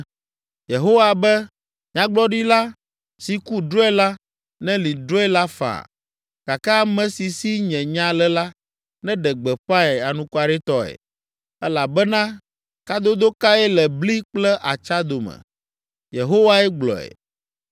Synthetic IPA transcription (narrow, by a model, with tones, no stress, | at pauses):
je˨ɦo˦wa˨bɛ˦ | ɲã˨ɡ͡blɔ˦ɖi˦la˦ | si˨ku˦ɖɾo˦ɛ˦la˦ | nɛ̃˦li˨ɖɾo˦ɛ˦la˦fa̰˨ | ka˨ka˦a˦mɛ̃˨si˨si˦ɲɛ̃˨ɲã˦lɛ˦la˦ | nɛ̃˦ɖɛ˨ɡ͡bɛ˨ɸa˦ɛ˨a˨nũ˦ku˦a˨ɖɛ˦t̪ɔ˦ɛ̰˨ | ɛ˦la˨bɛ˦nã˦ | ka˦d̪o˦d̪o˦ka˦ɛ˦lɛ˨bli˦k͡plɛ˦ʔa˨t͡ʃa˦d̪o˨mɛ̰˨ | je˨ɦo˦wa˦ɛ˦ɡ͡blɔ̰˨ɛ̰˨